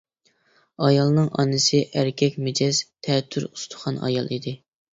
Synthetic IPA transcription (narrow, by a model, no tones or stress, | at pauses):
ɑjɑlˠnɨŋʔɑ̰nɨsɨʔæɾkʲʰɛkʲmed͡ʒɛz̥t̪ʰɛt̪ʰːyɾu̥st̪ʰʊ̥χɑnɑ̰jɑ̰lˠid̪ɪ